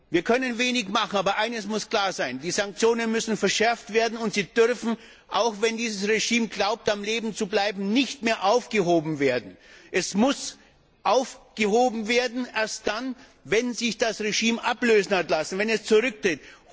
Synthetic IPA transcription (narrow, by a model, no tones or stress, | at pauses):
viːɐkʰœnənveːnɪçmaχn̩aːbɐʔaɪnəsmʊskl̥aːɐzaɪndiːzaŋk̚t͡sjoːnənmʏsn̩fɛɐʃɛɐftv̥eːɐdn̩ʊntz̥iːdʏʁfn̩ | ʔaʊxvɛndiːzəsʁeʒiːmɡlaʊp̚tamleːbm̩t͡sublaɪbm̩nɪçtmeːɐʔaʊfɡ̥əɦoːbm̩veːɐdn̩ʔɛsmʊs | ʔaʊfɡ̥əhoːbm̩veːɐdn̩ʔeːɐst̚d̥an | vɛnzɪçd̥asʁeʒiːmʔapløːzn̩hatlasn̩vɛnɛst͡sʊʁʏk̚tʁ̥ɪt